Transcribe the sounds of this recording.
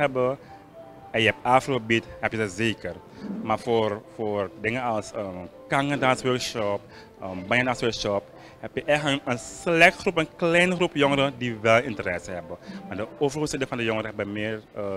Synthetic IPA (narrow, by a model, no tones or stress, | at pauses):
ɛbə | ɛjəɛp̚aːfrobithɛpjədəzeːkər | maːfoːrfoːrdɪŋəɑlˠsəkaŋədaːnsʋœɹkʃɔp̚ | əmbajəndaːnsʋøːɹkʃɔp | hɛpjəʔɛxənənslɛxtxrupənklɛjnxrupjoŋəɾədiʋɛlˠɪntəɾɛsəɦɛbəmaːɹdəoːvərosɪdəŋfɑndəjoŋəɾəɦɛbəmɪːrə